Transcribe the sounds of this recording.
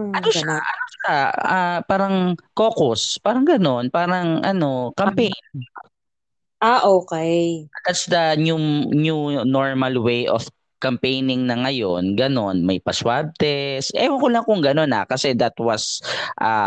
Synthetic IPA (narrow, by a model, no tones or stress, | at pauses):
ʔɐnoʃaʔɐnoʃaapaːɾɐŋko̞ːkʊspaːɾɐŋɡɐno̞npaːɾɐŋʔɐno̞kɐmpejn | ʔaʔoːkɛjɐd̪̥ɐt̪sd̪ɐnununoɹmɐlwejʔo̰f | kɐmpejnɪŋnɐŋɐjonɡɐno̞nmɐjpɐswab̚t̪ɛsʔɛ̰wɐŋkʊlɐŋkʊŋɡɐno̞na̰kɐsɛd̪ɐt̪wɐsʔa